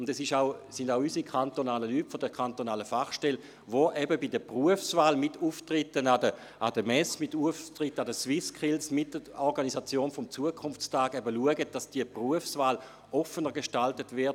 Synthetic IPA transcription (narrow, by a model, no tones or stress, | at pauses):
ʊndɛsɪʃaʊsɪndaʊysikʰantonaːləlyːtfodəkʰantonaːləfaχʃtɛl | ʋoʔɛbəbidəpʁuəfsvaːlmɪtuːftʁɪtənadə | ʔadəmɛsmɪtuftʁɪtːadəswɪskʰɪlsmɪt̚dəɔʁɡanisat͡sjoːnfɔmt͡suəkʰʊnft͡staːɡɛbəluəɡət̚d̥asd̥iəpʁuəfsvaːl | ɔfənəʁɡeʃtaltətvɪɐt